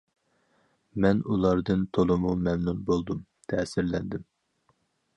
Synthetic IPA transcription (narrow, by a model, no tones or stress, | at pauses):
mɛnulˠɑɾd̪ɨnt̪ʰolˠɨmumɛmnunbolˠd̪um | t̪ʰɛːsɪɾlɛnd̪ɪm